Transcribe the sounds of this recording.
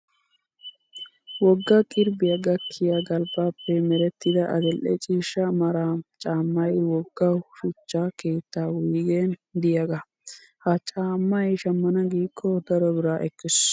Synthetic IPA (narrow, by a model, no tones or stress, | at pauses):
wɔɡːɐkʼɪɾbɪjɐɡɐkʰːɪjɐɡɐlbaːpːɛmɛɾɛt̪ːɪd̪ɐʔɐ̰d̪ɛlʔɛ̰t͡ʃʼiːʃɐmɐɾaːt͡ʃʼaːmːɐjwɔɡːɐʃʊt͡ʃːake̞ːt̪ːaːwiːɡend̪ɪjɐɡɐ | hɐt͡ʃʼaːmːɐjʃɐmːɐnɐɡiːkʰːɔd̪ɐɾɔbɪɾaːʔɛkːɪs